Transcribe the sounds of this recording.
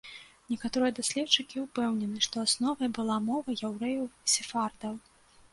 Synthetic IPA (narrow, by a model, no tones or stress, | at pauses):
nʲɛkat̪ɔɾɨjɐd̪asʲlʲɛtt͡ʂɨkʲiupɛwnʲɛnɨʂt̪ɔasnɔvɐjbɨlˠamɔvɐjawɾɛjɐwsʲɛfard̪ɐw